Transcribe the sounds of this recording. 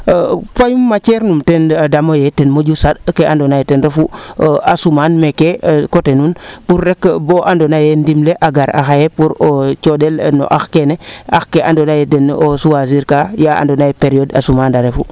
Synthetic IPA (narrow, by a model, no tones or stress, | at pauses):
fajumːat͡ʃeɾnumtendamojetenmod͡ʒusadkeandonajetenɾefuasumanmekekotenunpuɾːekboʔandonajendimleʔaɡaɾa̰xajepuɾot͡ʃodelno̰ʔaxkenea̰xkeʔandonajedenosuwaziɾkajaa̰ndonajepeɾioda̰sumandaɾefu